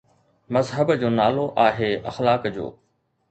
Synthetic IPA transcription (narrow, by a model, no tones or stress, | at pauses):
mɐzɦəbd͡ʑoːnaːloʔaːɦeːɐ̰xlaːkd͡ʑo̰ː